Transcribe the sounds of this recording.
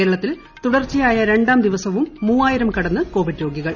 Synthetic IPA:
eːɾɐɭɐt̪ːil | t̪uɽɐrt͡ɕːijaːjɐɾe̞ɳɖaːmd̪iʋɐsɐʋumːuːaːjiɾɐmkɐɽɐnːɨko̞ːʋiɖjo̞ːɡiɣɐɭ

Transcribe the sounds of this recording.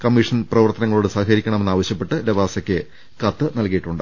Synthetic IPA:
kɐmːiʂɐnprɐʋɐrt̪ɐnɐŋːɐɭoːɽɨsaːhikɐɾikʲːɐɳɐmenːaːʋɐɕjɐpːe̞ʈːɨlebaːsɐkʲːɨ | kɐt̪ːɨnɐlkijiʈːuɳɖɨ

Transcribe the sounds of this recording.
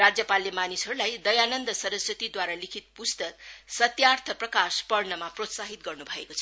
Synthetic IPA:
rad͡zjʌpalemanisɦʌɾulajd̪ʌjanʌnd̪ʌsʌɾʌsjʌt̪id̪waɾalikʰit̪̚pust̪ʌksʌt̪jart̪ʰʌprʌkaspʌrnʌmaprot̪saɦit̪ɡʌrnubʱʌekot͡sʰ

